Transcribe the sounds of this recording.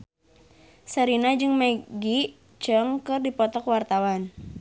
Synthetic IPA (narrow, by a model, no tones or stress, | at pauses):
səɾinad͡ʒɨŋmeɡi | t͡ʃəŋkɨrdipɔt̪ɔkwart̪awan